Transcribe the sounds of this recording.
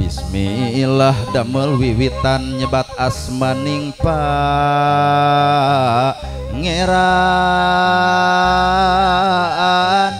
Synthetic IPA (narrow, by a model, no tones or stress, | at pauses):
bḭsmḭlahdaməlwiwit̪anɲəbat̪̚as | maniŋpa | ŋeɾa | n